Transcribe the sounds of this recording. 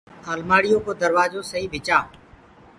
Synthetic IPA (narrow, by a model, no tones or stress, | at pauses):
aːlmaːɽɪjõːkoːd̪əɾʋaːzõːsəɦĩːʋʱɪt͡ʃaː